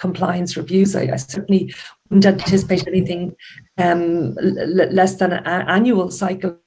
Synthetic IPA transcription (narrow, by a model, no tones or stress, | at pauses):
kʰə̃mpʰl̥a̰ɪə̃nsɹɪvjʉːza̰ɪa̰ɪsɜ˞ʔn̩liwʊdⁿn̩tãnpʰɑtʰɪsə̥peɪtə̃ɛniθɪ̃ŋʌ̃m | lɛsðə̃nʔaʔãnjuəlˠsaɪkə